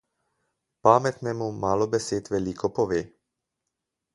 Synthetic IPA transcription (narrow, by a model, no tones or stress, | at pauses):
pamɛt̪nɛːmumaːlɔbɛsɛt̪ʋɛlikʰɔpɔʋɛ